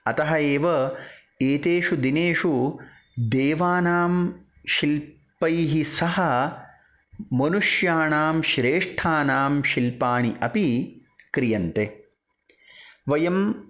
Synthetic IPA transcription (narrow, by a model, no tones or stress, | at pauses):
ɐt̪ɐɦɐeːʋɐ | eːt̪eːʂud̪ineːʂu | d̪eːʋaːnaːm | ʃil | pɐjɦisɐɦɐ | mɐnuʂjaːɳaːmʃɾeːʂʈʰaːnaːmʃilpaːɳiʔɐpikɾijɐnt̪e | ʋɐjɐm